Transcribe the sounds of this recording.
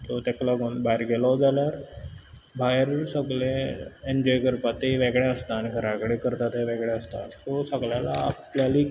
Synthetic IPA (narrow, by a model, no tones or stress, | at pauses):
t̪ɔt̪ɛklaɡuːnbajɾɡelɔd͡zaljaɾ | bajɾsəɡɭẽend͡ʑɔjkəɾpat̪eʋeɡɭẽəst̪aːnikʰəɾakɽekəɾt̪at̪ɦeʋɛɡɭẽəst̪a̰sɔsəɡɭjala̰ːpljali